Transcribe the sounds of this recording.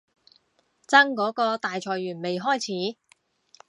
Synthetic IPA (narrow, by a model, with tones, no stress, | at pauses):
t͡sɐ˥ŋkɔː˨˥kɔː˧t̪aː˨jt͡ʃʰɔː˨˩jɥyː˨˩nme˨jɦɔː˥˩jt͡sʰiː˨˥